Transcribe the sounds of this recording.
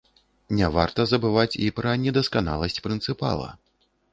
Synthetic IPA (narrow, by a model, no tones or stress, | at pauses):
nʲɛva̰rt̪ɐzɐbɨvat͡sʲipɾɐnʲɛd̪ɐskan̪a̰lˠɐsʲt͡sʲpɾɨnt̪sɨpa̰lˠɐ̰